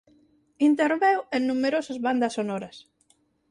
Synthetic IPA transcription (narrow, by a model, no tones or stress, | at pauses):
int̪eɾβewennumeɾosɐzβand̪ɐsonɔɾɐs